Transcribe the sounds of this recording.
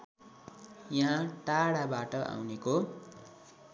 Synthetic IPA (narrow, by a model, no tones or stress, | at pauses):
jaɦãʈaɽabaʈʌʔa̰wneko